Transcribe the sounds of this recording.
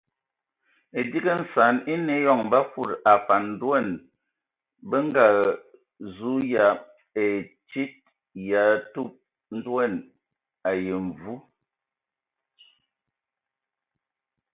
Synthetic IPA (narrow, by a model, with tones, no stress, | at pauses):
e˨di˦ɡə˦n̩˨sa˨˦ni˦ne˨˦jɔ˦˨ŋm˨ba˦fu˦˨ɾa˨fa˨n̩˦dwɛ˦˨n | bə˦ŋ˦ɡa˨ | zu˦ja˨ | e˨ | t͡ʃi˦t̚ | ja˨˦tu˦p̚ | n̩˦dwɛ˦˨n | a˨je˨ɱ˨vu˦